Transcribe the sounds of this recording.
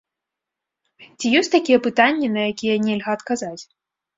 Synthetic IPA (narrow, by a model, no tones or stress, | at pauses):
t͡sʲijɔsʲt̪akʲijɛpɨt̪anʲːɛnɐjakʲijɛnʲɛlʲɣɐːt̪kazat͡sʲ